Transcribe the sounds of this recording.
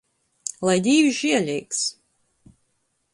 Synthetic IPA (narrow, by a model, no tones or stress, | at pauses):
lˠajd̪ʲiːvʒiɛlʲɛjks